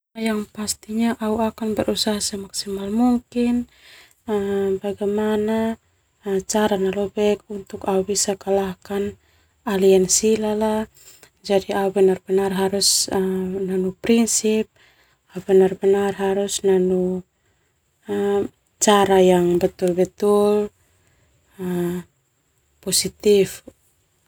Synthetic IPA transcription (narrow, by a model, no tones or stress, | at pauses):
jaŋpast̪iɲaʔauakanbəɾʔusaɦasɛmaksimalmuŋkin | əbaɡamana | t͡ʃaɾanalɔbɛkunt̪ukaubisakalahkan | aliansilala | d͡ʒadiaubɛnarbɛnarɦaɾus | nanupɾinsip̚ | aubɛnarbɛnarɦaɾusnanu | t͡ʃaɾajaŋbɛt̪ulbɛt̪ul | posit̪if